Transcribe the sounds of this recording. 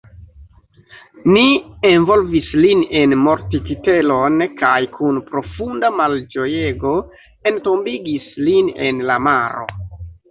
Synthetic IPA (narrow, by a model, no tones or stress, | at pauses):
nienvo̞lvisline̞nmo̞ɾtitite̞lo̞nkajkʰunpɾo̞fundamald͡ʒo̞je̞ɡo̞ | e̞nto̞mbiɡislinḛnlamaɾo̞̰